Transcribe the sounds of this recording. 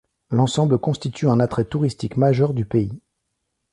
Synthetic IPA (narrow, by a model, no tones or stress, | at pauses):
lɑ̃sɑ̃bləkɔ̃st̪it̪ʰyɛ̃nat̪χɛt̪uʁist̪ikmaʒœʁd̪ypei